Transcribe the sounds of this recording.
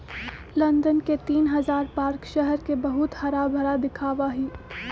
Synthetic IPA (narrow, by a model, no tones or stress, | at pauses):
lɐ̃nd̪ənket̪iːnɦɐzaːɾpaːɾkʃɛɦɛɾkebɐɦʊt̪hɐɾaːbʱɐɾad̪ɪkʰaːʋaɦiː